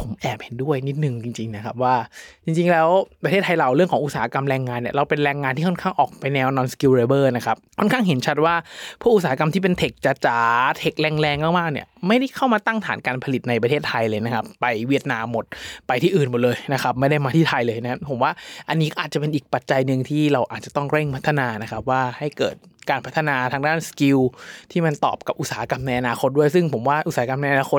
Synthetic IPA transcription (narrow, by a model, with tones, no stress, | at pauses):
pʰo˩˦mʔɛː˨˩p̚he˨˩˦ndu˥˩əjni˦˥t̪̚nɯ˨˩ŋt͡ɕi˧ŋt͡ɕi˧ŋna˦˥kʰa˦˥p̚waː˥˩t͡ɕi˧ŋt͡ɕi˧ŋlɛː˦˥wpɾa˧t̪eː˥˩t̪ʰːa˧jla˨˩wɾɯ˥˩əŋʰɔː˩˦ŋʔu˧˩saː˨˩˦a˦˧ka˧mɾɛː˧ŋːaː˧nːi˨˩ɐɾa˧wpe˧nɾɛː˧ŋːaː˧nt̪ʰiː˥˩kʰɔ˥˩ŋkʰaː˥˩ŋʔɔː˨˩k̚pa˧jnɛː˧wnɔː˧nski˧ɾeː˧bɤː˥˩na˦˥kʰa˦˥p̚kʰɔ˥˩nkʰaː˥˩ŋɦe˩˦nt͡ɕʰa˦˥t̪̚waː˥˩pʰuː˥˩ʔu˧t̪saː˨˩˦ka˧mt̪ʰiː˥˩pe˧nt̪ʰe˨˩k̚t͡ɕa˧t͡ɕaː˨˩t̪ʰe˨˩k̚lɛː˧ŋlɛː˧ŋmaː˥˩maː˥˩k̚nḭ˧˥˩ma˥˩jda˥˩jkʰa˥˩wmaː˧t̪a˥˩ŋt̪ʰaː˩˦nkaː˧npʰa˧li˨˩t̪̚na˧jp̬ɾa˧eː˥˩t̪ʰːa˧jlɤː˧jna˦˥kʰa˦˥pːa˧jwi˦˥˩ət̪̚naː˧mːo˨˩t̪̚pa˧jt̪ʰiː˥˩ʔɯː˨˩nmo˨˩lɤː˧jna˦˥kʰa˦˥p̚ma˥˩jda˥˩jmaː˧t̪ʰiː˥˩t̪ʰa˧jlɤː˧jna˦a˥pʰo˩˦mwaː˥˩ʔa˧nːiː˦˥kʔaː˨˩t̪̚a˨˩pe˧nʔiː˨˩k̚pa˨˩t̪̚t͡ɕa˧jnɯ˨˧ŋt̪ʰiː˥˩ɾa˧wʔaː˨˩t̪̚t͡ɕa˨˩t̪ɔ˥˩ŋɾe˥˩ŋpʰa˦˥t̪ʰːa˧naː˧na˦˥kʰa˦˥p̚waː˥˩ha˥˩jkɤː˨˩t̪̚ | kaː˧npʰa˦˥t̪ʰːa˧naː˧t̪ʰaː˧ŋdaː˥˩nski˧wt̪ʰiː˥˩ma˧nt̪ɔ̰ː˨˩p̚ka˨˩p̚ʔu˧˩saː˨˩˦a˦ka˧mna˧jʔa˧naː˧xʰo˦˥t̪̚du˥˩əjs̬ɯ˥˩ŋpʰo˩˦mwaː˥˩ʔu˧˩saː˨˦˥ka˧mna˧jʔa˧naː˧xʰo˦˥t